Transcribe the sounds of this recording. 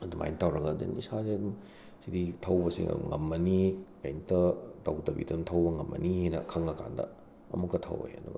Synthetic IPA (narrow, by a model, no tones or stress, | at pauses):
ɐduma̰jntawɾɐɡɐdḛnisazedum | siditʰɐwbɐsḭŋɐmːɐnikajnitɐtɐwtɐbḭtuntʰɐwbɐŋɐmːɐ̰nihenɐ̰kʰɐŋɐkʰa̰ndɐ̰ | ɐmukːɐtʰɐ̰wo̰jḛdṵɡɐ